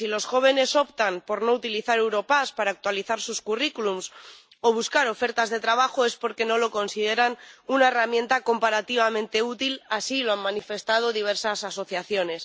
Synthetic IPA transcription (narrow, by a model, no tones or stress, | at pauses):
silo̞sxo̞β̞e̞ne̞so̞pt̪ampo̞ɾno̞ut̪iliθaɾe̞wɾo̞paspaɾaːk̚t̪waliθaɾsuskurikulums | o̞β̞uskaɾo̞fe̞ɾt̪azðe̞t̪ɾaβaxo̞e̞spo̞ɾke̞no̞lo̞ko̞nsiðe̞ɾanunaeramjẽ̞nt̪ako̞mpaɾat̪iβ̞amẽ̞nt̪e̞ut̪ilasiloammãnife̞st̪að̞o̞ðiβ̞e̞ɾsasaso̞θjaθjo̞ne̞s